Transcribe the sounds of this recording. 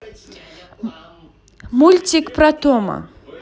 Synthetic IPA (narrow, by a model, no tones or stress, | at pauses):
mulʲt͡sʲikpɾat̪ɔmɐ̰